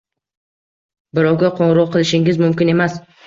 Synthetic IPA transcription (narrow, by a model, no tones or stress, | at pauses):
bɪɾɒwɡʲaqʰoɴɾɒqʰːɨlˠɪʃɪŋɪzmʊmkʲɪne̞mas